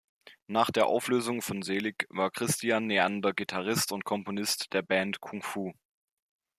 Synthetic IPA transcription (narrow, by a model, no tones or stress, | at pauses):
naːχd̥eːɐʔa̰ʊfløːzʊŋfɔnzeːlɪkvaːɐkʁ̥ɪstʰianːeandɐɡitʰaʁ̞ɪstʊntkʰɔmponɪstd̥eːɐbɛːntkʰʊŋfuː